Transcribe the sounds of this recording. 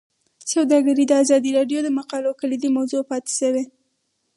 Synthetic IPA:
sawd̪ɑɡaɾid̪əazɑd̪iɾɑɖjod̪əmaqɑlokalid̪imawzopɑt̪e̥ʃəwe

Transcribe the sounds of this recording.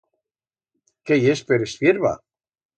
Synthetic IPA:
kejespeɾesfjeɾβa̰

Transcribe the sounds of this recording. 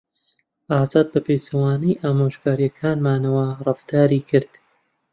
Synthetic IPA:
ʔaːzaːd̪̚bɐpʰeːsɐwaːnijʔaːmoʃkaːɾjɐkʰaːnmaːnɐwɐrɨft̪aːɾiːkʰɨɾd̪̥

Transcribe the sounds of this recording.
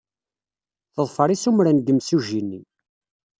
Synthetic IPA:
θəðˤfəɾˤisumɾænɡəmsuʒinːi

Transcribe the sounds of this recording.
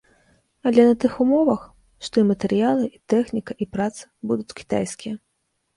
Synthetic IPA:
alʲɛnɐt̪ɨxumɔvɐx | ʂt̪ɔimɐt̪ɛɾɨjalˠɨʔit̪ɛxnʲikɐʔipɾat̪sɐ̥bud̪ut͡sʲkʲi̥t̪a̰jskʲijɐ

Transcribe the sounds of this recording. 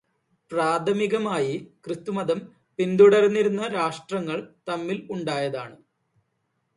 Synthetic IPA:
praːd̪ʰʱɐmiɣɐmaːjikrɨt̪ːumɐd̪ɐm | pind̪uɽɐrnːiɾunːɐɾaːʂʈrɐŋːɐɭt̪ɐmːiluɳɖaːjɐðaːɳɨ

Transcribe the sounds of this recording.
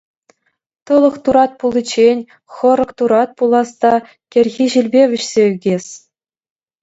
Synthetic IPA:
t̪ɤ̆lˠɤ̆χt̪uɾɑt̪̚pulˠʲĭt͡ɕenʲ | χɤ̆ɾɤ̆kt̪uɾɑt̪̚pulˠɑst̪ɑ | kʲĕrʲɣʲiʑilʲbʲeʋʲɘ̆ɕsʲeyɡʲesʲ

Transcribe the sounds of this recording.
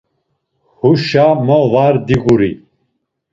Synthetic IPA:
huʃamɔvaɾd̪iɣuɾḭ

